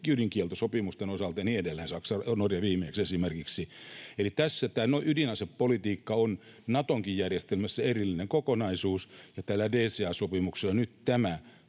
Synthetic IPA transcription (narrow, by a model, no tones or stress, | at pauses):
ydiŋkielt̪osopimust̪enosɑlt̪ɑɑniːedelːæinsɑksɑonorjɑʋiːmeeksesimerkiksielit̪æsːæt̪æːnoiʔydinɑseppolit̪iːkːɑon | nɑt̪oŋkijjærjest̪elmæsːæerilːineŋkokonɑisuːsjɑt̪ælːædeːseɑːsopimukselːɑnyt̪t̪æmæ